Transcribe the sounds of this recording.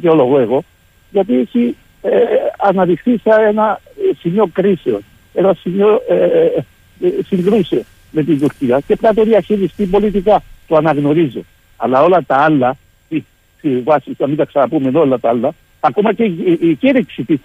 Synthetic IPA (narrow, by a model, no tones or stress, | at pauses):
keoloɣoeɣo | ʝat̪̬isi | eanaðixθisaena | simiokɾiseo | enasimjoe | siŋɡɾuse | met̪ind̪uɾk̪iacepɾat̪̬oðiaçiɾist̪ipolit̪ikat̪oanaɣnoɾizo | a̰laolat̪aalːa | i | siwasiamit̪aksanapumenolat̪aalːa | akomaceceɾeksit̪i